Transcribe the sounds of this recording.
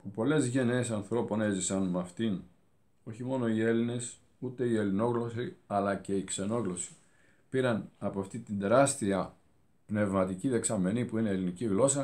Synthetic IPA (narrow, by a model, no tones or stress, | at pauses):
pupo̞le̞zʝe̞neːsɐnθɾo̞po̞ne̞zisɐnmɐft̪in | o̞çimo̞no̞ie̞line̞s | ut̪e̞ie̞lino̞ɣlo̞siɐlɐce̞ikse̞no̞ɣlo̞si̥ | piɾɐnɐpoɐft̪it̪ind̪e̞ɾɐst̪iɐ | pne̞vmɐt̪iciðe̞ksɐme̞nipuine̞ːliniciɣlo̞sɐ